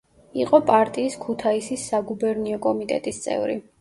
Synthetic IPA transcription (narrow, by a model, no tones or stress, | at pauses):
iqʼɔpʼaɾt̪ʼiːskʰut̪ʰaisisːaɡubɛɾniɔkʼɔmit̪ʼɛ̰t̪ʼist̪sʼɛ̰vɾḭ